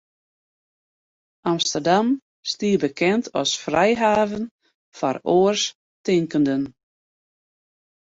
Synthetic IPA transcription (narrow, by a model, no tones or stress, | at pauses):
ʔamstərdam | stiːəbəkʰɛntʰɔ̰sfrɛjɦaːvən | faɾoːərs | tɪŋkəndən